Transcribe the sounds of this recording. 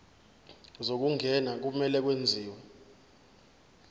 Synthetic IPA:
zok̬uŋʱɛnak̬umɛlɛk̬wend͡zʱiːwɛ

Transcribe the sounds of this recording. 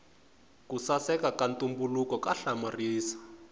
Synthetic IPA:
kusasɛkakantʼumbulukɔkaɬamariːsḁ

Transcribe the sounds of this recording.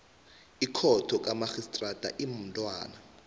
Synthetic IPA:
ikʰɔtʰɔk̬ʼamaxistʼratʼa̰ʔimuntʼwa̰ːna

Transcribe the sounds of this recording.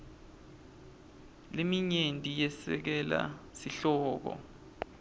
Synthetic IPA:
lemiɲentʼijɛsɛ̰k̬ɛla̰siɬɔːk̬ɔ̰

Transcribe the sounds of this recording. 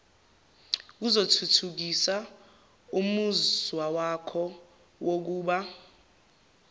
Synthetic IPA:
k̬uzotʰutʰuk̬isa | umuzwawakʰɔ | wok̬uːɓa

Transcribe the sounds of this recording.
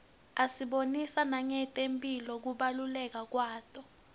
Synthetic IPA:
asiɓonisanaŋɛtʼempʼilɔk̬uɓalulɛk̬ak̬waːtʼɔ

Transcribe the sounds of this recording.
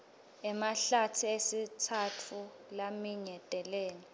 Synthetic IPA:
ɛmaɬatʰiesitʰatʰu | lamiɲɛtʼɛlɛːni

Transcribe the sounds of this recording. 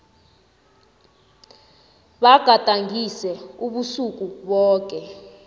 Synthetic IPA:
ɓaɡ̥ʱatʼaŋʱisɛuɓusuk̬ʼuɓɔːk̬ʼɛ

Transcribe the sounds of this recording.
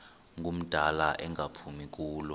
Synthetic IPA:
ŋɡʱum̩d̥ʱalaʔɛŋʱapʰumik̬ʼuːlɔ

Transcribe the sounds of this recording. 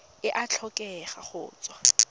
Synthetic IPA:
ɪʔat͡ɬʰɔkʼɛχaχʊːt͡sʼwa

